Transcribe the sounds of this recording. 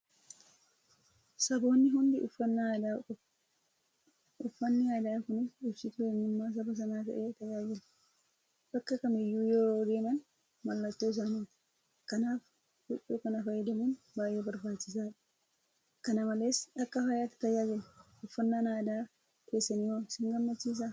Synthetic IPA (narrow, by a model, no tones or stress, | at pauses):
sɐbo̞ːnːɪɦʊnd̪ɪʊfːɐnːd̪a | ʊfːɐnːɪjaːd̪aːkʊnɪsʊbsɪt̪ʊɛnːɪmːaːs̬ɐbɐs̬ɐnaːt̪ɐ̰ʔeːt̪ɐjaːd͡ʒɪlɐ̥ | bɐkːɐkɐmɪjːuːjoɾoːɡ̪eːnɐn | mɐlːɐt̪ːoːɪs̬aːniːᶑ̪ɐ̥ | kɐnaːf | ɡʊɗuːkɐnɐfɐjːɐd̪ɐmun | baːjeːbɐɾbaːt͡ʃːɪsaːᶑɐ̥ | kɐnɐmɐle̞ːsᶑɐkːɐhɐjaːt̪ɪ̥t̪ɐjaːd͡ʒɪlɐʔʊfːɐnːanaːd̪aː | ke̞ːsːɐniwɐmsɪŋɡɐmːɐt͡ʃːiːs̬aː